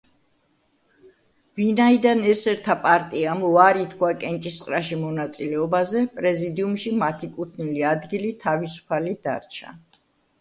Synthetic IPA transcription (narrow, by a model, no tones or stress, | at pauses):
vinaid̪anɛsɛɾt̪ʰapʼaɾt̪ʼiamaɾit̪ʰkʰwakʼɛnt͡ʃʼisqʼɾaʃimɔnat̪sʼilɛɔbazɛpʼɾɛzid̪iumʃimat̪ʰikʼut̪ʰniliad̪ɡilit̪ʰavisu̥pʰalid̪a̰ɾt͡ʃʰa̰